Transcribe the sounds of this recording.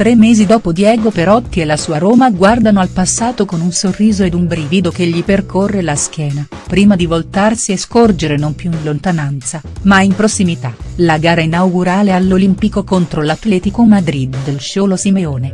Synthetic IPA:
t̪ɾemːeːzid̪ɔːpod̪jɛːɡopeɾɔt̪ːielːasuːaɾoːmaɡward̪anoalpasːaːt̪okonunsorːiːzoed̪umbɾiːvid̪okeʎːiperkʰorːelask̟jɛːna | pɾiːmad̪ivolt̪arsieskord͡ʒeɾenompjuinlont̪anant̪sa | maimpɾosːimit̪alaɡaːɾainawɡuɾaːlealːolimpikokont̪ɾolat̪ːlɛːt̪ikomad̪ɾid̪ːelʃoːlosimeoːne

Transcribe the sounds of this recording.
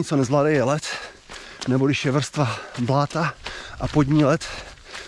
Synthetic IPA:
ɪt͡sonɛzladɛjɛlɛt̪ | nɛboɡɪʃjɛvr̩st̪vablaːt̪aʔa̰pod̪ɲiːlɛt̪

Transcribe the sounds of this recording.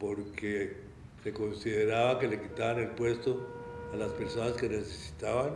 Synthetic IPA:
po̞ɾkʰe | se̞ko̞nsiðe̞ɾaβake̞le̞kit̪aβane̞lpwe̞st̪o̞alaspe̞ɾso̞naske̞ne̞se̞si̥t̪aβan

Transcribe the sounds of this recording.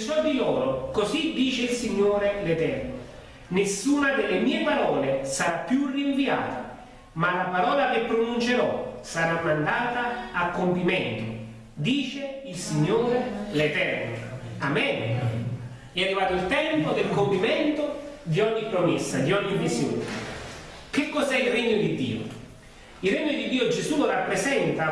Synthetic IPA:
sɔd̪ilɔːɾokosid̪iːt͡ʃeilsiɲːoːɾelet̪ɛrno | nesːuːnad̪elːemiːepaɾɔːlesaɾapːjurːiɱvia̰ːt̪a | malapaɾɔːlakepːɾonunt͡ʃeɾɔsaɾamːand̪aːt̪aːkːompimɛnt̪ʊ̰ | d̪iːt͡ʃeilsiɲːoːɾelet̪ɛrnoamɛn | ɛarːivaːt̪ʊilt̪ɛmpod̪elkompimɛnt̪od̪iɔɲːipːɾomesːad̪iɔɲːimːisjoːnḛ | kekːɔzɛilreɲːod̪id̪ːḭːo̰ | ilreɲːod̪id̪ːiːod͡ʒezulorapːɾezɛnt̪a

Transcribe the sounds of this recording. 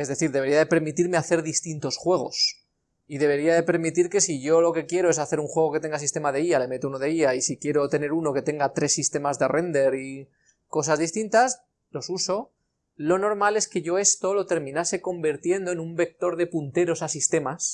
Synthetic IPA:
e̞zðe̞θiɾðe̞βiaðe̞pe̞ɾmit̪iɾme̞aθe̞ɾðist̪int̪o̞sxwe̞ɣ̞o̞̰s | iðe̞β̞e̞ɾiaðe̞pe̞ɾmit̪iɾke̞siʝo̞lo̞ke̞kje̞ɾoesaθe̞ɾuŋxwe̞ɣ̞o̞ke̞t̪eŋɡas̬ist̪e̞maðe̞iale̞me̞t̪ounoð̞eiaisikje̞ɾo̞t̪e̞ne̞ɾuno̞ke̞t̪e̞ŋɡat̪ɾe̞sːist̪e̞mazðe̞rʔe̞nd̪e̞ɾi | ko̞sazðist̪int̪as | lo̞suso̞ | lo̞no̞ɾmale̞ske̞ʝo̞e̞st̪o̞lo̞t̪e̞ɾmĩnase̞ko̞mbiɾt̪je̞nd̪oenumbe̞k̚t̪o̞ɾðe̞punt̪e̞ɾo̞sasist̪e̞mas

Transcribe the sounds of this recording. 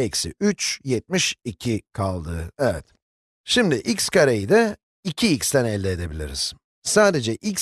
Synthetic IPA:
ɛcsḭyt͡ʃjɛt̪̚miʃicʰikʰalˠd̪ɯːɛvɛt̪ | ʃimd̪iʔicskaɾejid̪ɛ | icʰiicst̪ænɛlʲːɛed̪e̞bilʲḭɾḭz̥ | saːd̪e̞d͡ʒɛʔic

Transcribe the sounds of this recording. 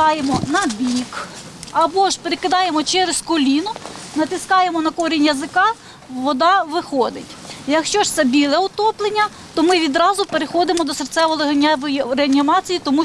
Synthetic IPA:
ɑjemɔnɐbʲik | ɐbɔʃpeɾekɪd̪ɑjemɔt͡ʃɛɾeskɔlʲinʊnɐt̪ɪskɑjemɔnɐkɔɾʲinʲjɐzɪkɑ | ʋɔd̪ɑʋɪxɔd̪ɪ̰tʲjɐkʃt͡ʃɔʃt̪sɛbʲilˠɛʊt̪ɔplˠenʲːɐ | t̪ɔmɪʋʲid̪ɾɑzʊpeɾexɔd̪ɪmɔd̪ɔsert̪sɛʋɔlˠeɦɐnʲʋɔjiɾeɐnʲimɑt͡sʲijit̪ɔmu

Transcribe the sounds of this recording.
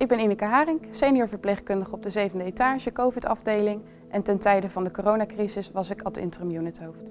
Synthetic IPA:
ɪɡ̚bɛninəkaɦaːrɪŋksejnijɔːɹvəɹplejχkɵndəχəɔb̚dəzejvəndəetaːʒəkowvɪtɑ̰vdejlɪŋ | ʔɛntɛntɛjdəvɑndəkorownaːkrizɪsʋɑsɪkɑltɪ̰ntrəmjunətɦowft

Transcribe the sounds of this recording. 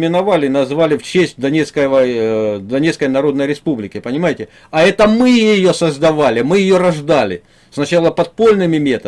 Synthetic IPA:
mʲɪnɐvalʲɪnɐzvalʲɪft͡ɕesʲtʲd̪ɐnʲet̪skəəd̪ɐnʲe̞t̪skəjnɐɾo̞d̪nəjɾʲɪspublʲɪkʲɪpənʲɪmajɪtʲɪ | ɐɛt̪əmɨjɪjosəzd̪ɐvalʲɪmɨjɪjo̞ɾɐʐd̪alʲɪ̰ | snɐt͡ɕalˠəpɐt̪̚po̞lʲnɨmʲɪmʲe̞t̪ə

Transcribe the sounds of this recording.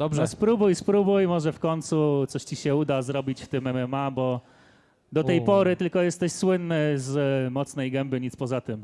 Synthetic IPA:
d̪ɔbʐɔspɾubujspɾubujmɔʐɛfkɔɲnʲt̪sut̪sɔɕt͡ɕiɕɛud̪azɾɔbʲit͡ɕft̪ɘmɛmɛmabɔ | d̪ɔɛjpɔɾɘt̪ɘlkɔjɛst̪ɛɕswɘnːɘzmɔt̪snɛjɡɛmbɘɲit̪spɔzat̪ɘm

